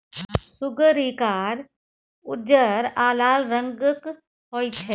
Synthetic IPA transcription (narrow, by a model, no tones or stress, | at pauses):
sʊɡəɾikaːɾ | ʊd͡ʒəɾaːlaːlɾə̃ŋɡək | ɦoːit͡ʃʰɛː